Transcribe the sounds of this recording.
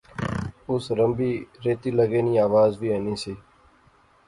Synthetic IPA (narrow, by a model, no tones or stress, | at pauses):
ʊsɾəmbiːɾeːt̪iːləɡeːnĩːaːʋaːzʋiːaniːsiː